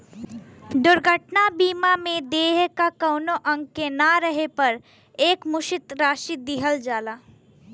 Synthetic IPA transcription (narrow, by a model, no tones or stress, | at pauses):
ɖ̪ʊɾɡʱəʈnabiːmamẽd̪eːɦkakɐʊnoʔɐ̃ŋɡ̚kenaɾəɦepɐɾ | eːkmʊʃɪt̪ɾaːʃid̪ɪɦəld͡ʒaːlaː